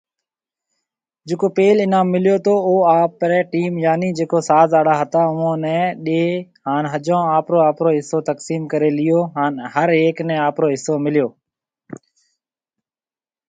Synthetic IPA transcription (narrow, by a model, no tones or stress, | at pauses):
d͡ʒeːkoːpeːlɪnãːmːɪlɪjoːt̪ʰoːoːaːpɾɛːʈiːmjaːniːd͡ʒeːkoːsaːzaːɽaːɦət̪aːʊʋõːnɛ̃ːɗeːɦaːnɦəd͡ʒõːaːpɾoːaːpɾoːɦɪsoːt̪əksiːmkəɾeːlɪjoːɦaːnɦəɾeːknɛ̃ːaːpɾoːɦɪsːoːmɪlɪjoː